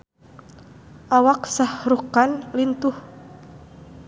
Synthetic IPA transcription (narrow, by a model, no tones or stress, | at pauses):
ʔawaksahrukanlint̪uh